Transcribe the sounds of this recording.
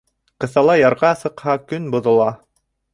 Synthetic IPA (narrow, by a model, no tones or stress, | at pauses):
qɤ̆θɑlˠɑjɑɾʁɑsɤ̆qhɑkɵnbŏðɤ̆lˠɑ